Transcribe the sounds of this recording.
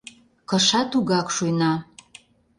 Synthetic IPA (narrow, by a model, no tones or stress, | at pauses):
kɤ̆ʃɑt̪uɣɑkʃujnɑ